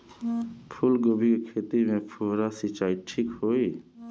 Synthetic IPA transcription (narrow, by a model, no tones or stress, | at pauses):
pʰulɡobʱikekʰet̪imẽpʰuɾasit͡ʃaiʈʰikhoi